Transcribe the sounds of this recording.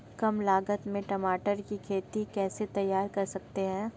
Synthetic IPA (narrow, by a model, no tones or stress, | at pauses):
kɐmlaːɡət̪mẽʈɐmaːʈəɾkikʰeːt̪ikɛːset̪ɐjːaːɾkɐɾsɐk̚t̪eɦɛ̃ː